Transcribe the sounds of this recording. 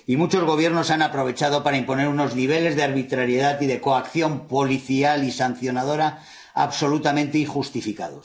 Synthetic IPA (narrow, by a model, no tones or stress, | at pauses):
imut͡ʃo̞zɣ̞o̞β̞je̞ɾno̞sanapɾo̞β̞e̞t͡ʃað̞o̞paɾaimpone̞ɾuno̞zniβ̞e̞le̞zðeaɾβit̪ɾaɾjeðat̪iðe̞ko̞akθjo̞mpo̞liθialisan̟θjo̞nað̞o̞ɾa | a̰βso̞lut̪amẽnt̪eixust̪ifika̰ð̞o̞s